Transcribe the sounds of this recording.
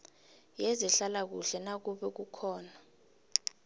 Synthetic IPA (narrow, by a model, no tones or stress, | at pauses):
jezɛɬalak̬ṵɬɛnak̬uɓɛk̬ukʰɔːna